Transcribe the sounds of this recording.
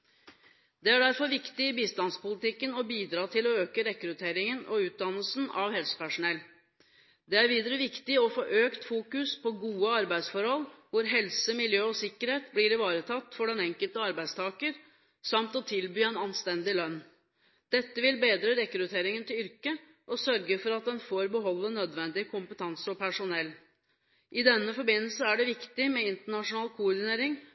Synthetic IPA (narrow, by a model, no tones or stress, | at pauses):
d̪̥ɛæɖæɾfɔɾʋɪkt̪ɪɪbiːst̪ɑnspʊlɪt̪ɪkːənɔbiːd̪ɾɑːt̪ʰɪlɔøːkəɾɛkɾʉt̪ʰeːɾɪŋənʔɔ̰ʉːt̪̚d̪ɑnːəlsn̩ɑ̰ʋhɛlsə̥pæʂʊnɛlː | d̪ɛæɾʋiːd̪əɾəʋɪkt̪ɪɔfoːʔøːkt̪fuːkʉspʰɔɡuːəɑɾbæɪd̪sfɔɾhɔlʋʊɾɦɛlsəmɪljøːɔsɪkːəɾheːt̪blɪːɾɪʋɑːɾət̪ʰɑt̪ːfɔɖɛnɛŋkəlt̪əɑɾbæɪd̪st̪ʰɑːkəɾ | sɑmt̪ɔt̪ʰɪlbyːɛnɑnst̪ɛnd̪ɪlœnː | d̪̥ɛt̪ːəʋɪlbeːd̪ɾəɾɛkɾʉt̪ʰeːɾɪŋənt̪ʰɪlʏɾkə | ʔɔsœɾɡəfɔɾɑt̪̚d̪ɛnfoːɾbəɦɔlːənœd̪ʋɛnd̪ɪkʰʊmpət̪ʰɑnsəɔpʰæʂʊnɛlː | ʔɪd̪ɛnːəfɔɾbɪnːəlsəæɖɛʋɪkt̪ɪmɛɪnt̪əɳɑʂʊnɑːlkʰuːɔɾd̪ɪneːɾɪŋ